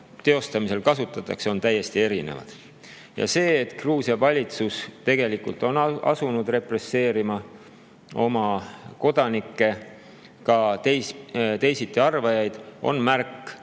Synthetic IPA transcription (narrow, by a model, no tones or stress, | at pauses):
t̪eo̞st̪ɑmise̞lkɑsut̪ːˑɑt̪ːˑɑkseo̞nt̪æjːe̞st̪ie̞ɾinḛvɑ̰d̪̥ | jɑ̰se̞ːt̪kruːsjɑvɑlʲit̪sust̪e̞ɡ̥e̞likult̪ˑo̞nɑ̰sunud̪̥re̞pre̞sːe̞ːɾimɑ | o̞mɑko̞d̪̥ɑnikːˑe̞ | kɑt̪ejst̪e̞jsit̪ˑːiɑrvɑjɑjd̪̥ʔo̞̰nmærkːˑ